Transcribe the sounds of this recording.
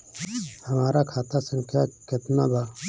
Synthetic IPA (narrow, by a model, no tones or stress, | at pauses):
həmaːɾaːkʰaːt̪ʰaːsəŋkʰjaːkət̪naːbaː